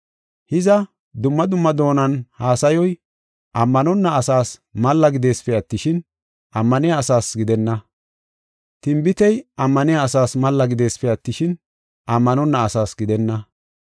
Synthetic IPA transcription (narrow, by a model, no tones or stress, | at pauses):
hɪzɐ | d̪ʊmːɐd̪ʊmːɐd̪o̞ːnɐnhaːsɐjɔj | ʔɐmːɐnɔnːɐːsaːsmɐlːɐɡɪd̪e̞ːsfɛɐt̪ːɪʃɪn | ʔɐmːɐnɛjaːsaːsɡɪd̪ɛnːɐ | t̪ɪmbɪt̪ɛjɐmːɐnɪjaːsaːsmɐlːɐɡɪd̪e̞ːsfɛɐt̪ːɪʃɪn | ʔɐmːɐnɔnːɐɐsaːsɡɪd̪ɛnːɐ